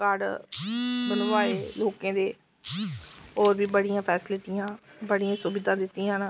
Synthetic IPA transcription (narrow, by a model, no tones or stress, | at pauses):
kaːɾɖ | bɐnoʋaːeloːkẽːd̪eː | ɔːɾbʱibəɽ̤ijãːpʰɛːsɪlɪʈijãːbəɽ̤ijãːsʊbɪd̪ʱãːd̪ɪt̪ijãn